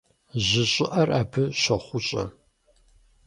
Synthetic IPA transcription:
ʑɪɕʼɪʔɐrʔaːbʰɨɕʷɐχʷʊɕʼɐ̰

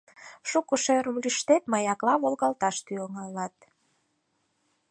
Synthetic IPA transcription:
ʃukəʃeɾəmlyʃt̪et̪məjɑklɑβolɣɑlt̪ɑʃt̪yoŋɑlɑt̪̚

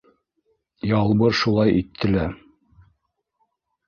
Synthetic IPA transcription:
jɑlˠbɤɾʃulˠɑjʔit̪ʰːɘ̆læ

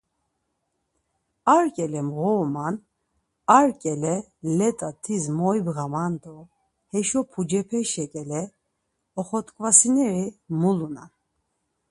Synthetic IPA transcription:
aɾkʼɛlɛmɣɔman | aɾkʼɛlɛlɛt̪ʼat̪ʰizmɔjbɣamant̪ʼɔ | hɛʃɔpʰud͡ʒɛpʰɛʃɛkʼɛlɛ | ɔχɔt̪ʼkʼvasinɛɾimuluna̰n

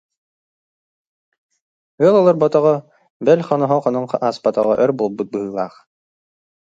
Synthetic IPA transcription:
ɯəlˠɔlˠɔɾbɔt̪ɔʁɔ | bɛlʲχɔnɔɦɔχɔnɔɴaːspat̪ɔ̰ʁɔʔœɾbuːlˠbut̪̚bɯɦɯːlˠa̰ːχ

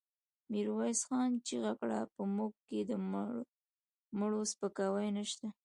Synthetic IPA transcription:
miɾwajsxɑnt͡ʃeɣakɽapəmuk̚kːed̪ə | məɽospəkɑwajnəʃt̪a

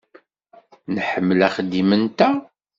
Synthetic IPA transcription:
nħəmːəlæχəd̪imənt̪æ

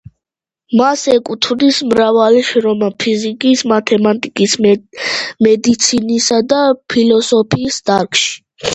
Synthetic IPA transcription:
masɛkʼut̪ʰvd̪ismɾavaliʃɾɔmapʰizikʼismat̪ʰɛmat̪ʼikʼis | mɛd̪it̪sʰinisad̪apʰilɔsɔpʰiːsd̪̥aɾkʰʼʃi̥

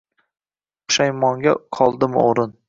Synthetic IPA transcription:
ʊ̥ʃajmɒŋɡʲaqʰɒlˠd̪ɪmɪ̰oɾɪn

